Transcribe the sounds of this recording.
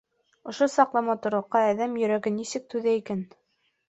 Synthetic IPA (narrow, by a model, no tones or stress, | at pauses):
ŏʃosɑqlˠɑmɑt̪ŏɾoqːɑæðæmjɵ̆ɾæɡɘnisɘk̚t̪ʉðæikæn